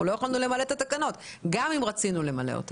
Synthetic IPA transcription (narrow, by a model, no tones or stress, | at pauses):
lo̞jeχalnule̞malet̪at̪akano̞t̪ɡamimʁat͡sinule̞male̞̰o̰t̪a